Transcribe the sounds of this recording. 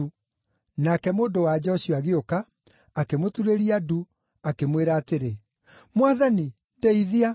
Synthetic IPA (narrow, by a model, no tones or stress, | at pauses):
u | nakɛmoːndowad͡ʑɔɕiɔaɣeokaː | kemotuɾeɾiadu | akemweɾaːteɾe | mwaðani | ndeiðia